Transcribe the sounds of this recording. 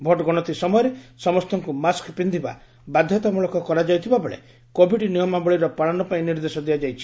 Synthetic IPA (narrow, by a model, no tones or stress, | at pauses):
bʱɔʈɔɡɔɽ̃ɔt̪isɔmɔjɔɾesɔmɔst̪ʰɔŋkumaskpind̪ʱiba̰ | bad̪ʱjɔt̪amuɭɔkɔkɔɾad͡ʒajt̪ʰibabɔɭḛ | kobʱiɖinijɔmabɔɭiɾɔpaɭanɔpaĩniɾd̪esɔd̪ijad͡ʒajt͡ʃʰi̥